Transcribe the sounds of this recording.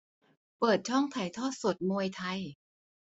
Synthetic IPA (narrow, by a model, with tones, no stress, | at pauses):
pɤː˨˩t̪̚t͡ɕʰɔ˥˩ŋt̪ʰa˨˩jt̪ʰɔː˥˩so˨˩t̪̚moː˧jt̪ʰa˧j